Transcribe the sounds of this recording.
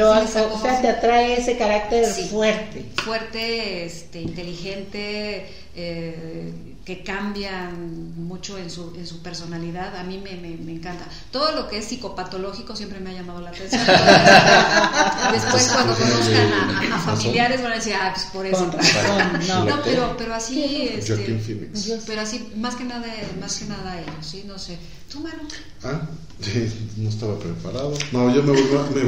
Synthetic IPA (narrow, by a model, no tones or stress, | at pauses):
ɾooseat̪eat̪ɾaeese̞kaɾak̚t̪eɾfwe̞ɾt̪e̞fwe̞ɾt̪eest̪e̞int̪e̞lixe̞nt̪e | e | ke̞kambja | mut͡ʃo̞e̞nsue̞nsupe̞ɾso̞naliðaðamĩme̞meme̞ːŋkant̪a | t̪o̞ðolo̞keesːiko̞pat̪o̞lo̞xiko̞sjempɾemeaʝamað̞olaːt̪ensjon | esewand̪osnoeaaafamiiljaɾe̞zβanaðesiɾapwe̥spoɾesonaononopeɾope̞ɾoasiesɡaeinfinḭksspe̞ɾoasimaske̞naðamaskenaðaeʝosino̞se | sumano | a | noest̪aβapɾepaɾaðonoʝomeβojame